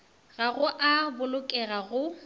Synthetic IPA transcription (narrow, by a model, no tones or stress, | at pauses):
ɣaɣʊʔabʊlʊkʼɛɣaɣʊ